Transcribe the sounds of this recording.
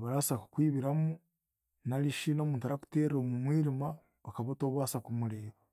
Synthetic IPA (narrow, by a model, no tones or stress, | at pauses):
βaɾasaku̥kwiːβiɾamu | naliʃino̞ːmuːntaɾaku̥teɾoːmumwiːɾima | βakaβotoːβwasakumuleɾo